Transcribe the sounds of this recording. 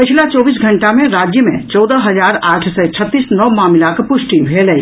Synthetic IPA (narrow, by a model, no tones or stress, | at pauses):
pɪt͡ʃʰlat͡ʃɔːbis̬ɡʱəɳʈamẽɾad͡ʒjəmḛ̃t͡ʃɔd̪əɦəd͡ʒaːɾaːʈʰsɛt͡ʃʰət̪ːisnɔʋmamlakepʊsʈibʱelɛi